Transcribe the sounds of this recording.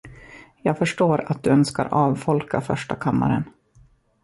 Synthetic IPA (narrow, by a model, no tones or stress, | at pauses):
jɑːɡfœʂʈoːɾat̪̚d̪ɵœnska̰ɾɑːvfɔlkʰafœʂʈakʰamːa̰ɾə̰n